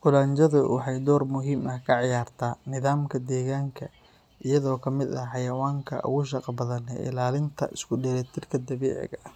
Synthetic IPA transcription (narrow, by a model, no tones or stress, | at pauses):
qʊlaːɲt͡ʃɐðʊwɑħɑjd̪ɔːrmʊɦiːmɐhkʰɐʕɪjaːrt̪ʰaːnɪðaːmkʰɐd̪ɛːɣaːŋkʰɐ | ʔɪjɐðɔːkʰɐmɪd̪ɐħɑjɐwaːŋkʰɐ̰ʔʊ̰ɣʊʃ̬ɑqɑbɐðɐnɛ̰ʔɪ̰laːlɪnt̪ʰɐ̰ʔɪskʰʊɖɛɾɛːt̪ʰɪrkʰɐd̪ɐβɛ̰ːʕɪ̰ɣɐ